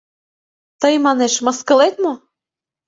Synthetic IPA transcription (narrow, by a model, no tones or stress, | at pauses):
t̪ɤjmɑneʃmɤ̆skɤ̆let̪mo